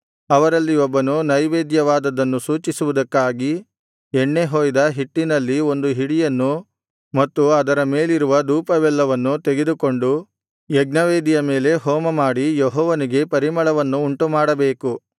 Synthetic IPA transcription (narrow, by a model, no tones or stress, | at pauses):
ɐʋɐɾɐlːiɔbːɐnunɐjʋeːd̪jɐʋaːd̪ɐd̪ɐnːusuːt͡ʃisuʋud̪ɐkːaːɡi | ɛɳːe̞ɦoːjd̪ɐɦiʈːinɐlːio̞nd̪uɦiɽijɐnːu | mɐt̪ːuɐd̪ɐɾɐme̞ːliɾuʋɐd̪uːpɐʋɛlːɐʋɐnːut̪eɡe̞d̪uko̞ɳɖu | jɛɡ̚nɐʋeːd̪ijɐme̞ːle̞ɦoːmɐmaːɽijeɦɔːʋɐniɡe̞pɐɾimɐɭɐʋɐnːuːɳʈumaːɽɐbe̞ːku